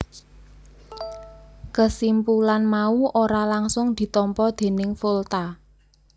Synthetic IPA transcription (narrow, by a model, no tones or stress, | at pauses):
kəsimpulanmauʔoɾalaŋsʊŋd̪̥i̤t̪ɔmpɔd̪̥e̤nɪŋfolt̪a